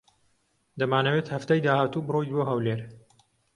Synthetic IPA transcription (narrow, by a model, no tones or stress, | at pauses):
d̪ɐmaːnɐweːt̪hɐft̪aːjd̪aːhaːt̪uːbɨrojd̪woɦɐwleɾ